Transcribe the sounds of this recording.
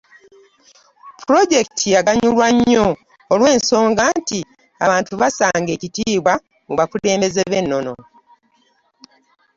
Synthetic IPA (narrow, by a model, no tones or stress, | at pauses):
puɾo̞ɟe̞ktʰijaɡaɲulwaɲːo̞ː | lwe̞ːnso̞ːŋɡanti | a̰βaːntuβasaːŋɡe̞ːcitiːβwa | muβakule̞ːmbe̞ze̞βe̞nːo̞no̞